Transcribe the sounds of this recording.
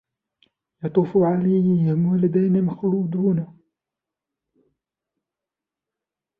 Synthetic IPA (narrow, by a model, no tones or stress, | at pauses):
jɑt̪ˤuːfuʕalajhɪmwalad̪ajnamaxluːd̪uːn